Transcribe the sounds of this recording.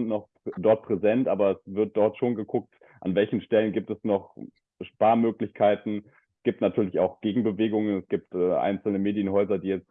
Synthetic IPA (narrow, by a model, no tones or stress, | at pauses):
nnɔχ | dɔɐt̚pʁ̥ɛzɛntʔaːbɐɛsv̥ɪɐt̚d̥ɔɐtʃoːnɡəkʰʊk̚t | ʔa̰nvɛlçn̩ʃtɛlənɡiːp̚tɛsnɔχ | ʃpaːɐmøːklɪçkʰaɪtn̩ | sɡ̥iːp̚tnatʰyːɐlɪça̰ʊxɡ̥eːɡŋ̩bəveːɡʊŋənɛsɡ̥iːp̚tɛːʔa̰ɪnt͡sl̩nəmeːdjənɦɔʏzɐdiːjɛt͡st